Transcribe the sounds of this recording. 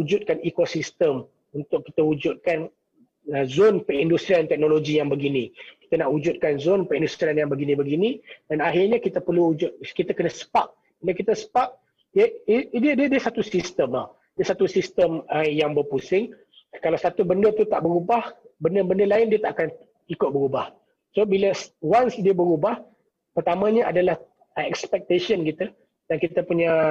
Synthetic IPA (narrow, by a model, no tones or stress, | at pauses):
ud͡ʒut̪̚kanikosist̪əm | unt̪ʊkːit̪əud͡ʒʊt̪̚kan | əzonpərindust̪ɾiant̪ɛk̚noloɡijaŋbəɡinĩki̥t̪ənaʔud͡ʒʊt̪̚kanzonpərindust̪ɾianjaŋbəɡinĩbəɡinĩdanaɦirɲakit̪əpərluud͡ʒʊt̪̚kit̪akənəsə̥paʔ̚ | inakit̪əsə̥paʔ̚ | dədiədiəsat̪usist̪əmah | diəsat̪usist̪əməjaŋbərpusɪŋ | kalawsat̪ubəndət̪ut̪a̰ʔbəɾubahbəndəbəndəlaɪndiət̪a̰ʔakan | ikʊt̪̚bəɾubah | sobiləswansdiəbəɾubah | pərt̪amãɲəadalah | ɛkspɛk̚t̪eʃənkit̪ə | dankit̪əpuɲə